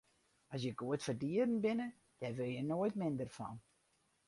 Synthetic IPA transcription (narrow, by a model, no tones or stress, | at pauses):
ɔs̬jəɡuətfərdiərn̩bɪnə | d̥ɛrʋɪlˠjənoəjtmɪndərfɔ̰n